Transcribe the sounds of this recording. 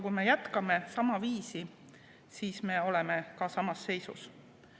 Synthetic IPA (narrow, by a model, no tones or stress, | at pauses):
kujme̞jæt̪kɑme̞sɑmɑviːsi | siːsme̞o̞leme̞kɑsɑmɑsːe̞jsṵs